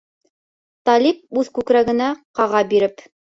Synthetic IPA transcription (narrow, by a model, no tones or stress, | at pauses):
t̪ɑlʲip̚ʉðkʉkɾæɡɘ̆næqɑʁɑbiɾɘp